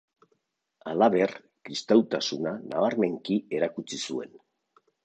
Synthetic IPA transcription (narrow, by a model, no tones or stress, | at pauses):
alaβe̞r | kɾist̪awt̪asunanaβaɾme̞ŋkie̞ɾakut͡sisue̞̰n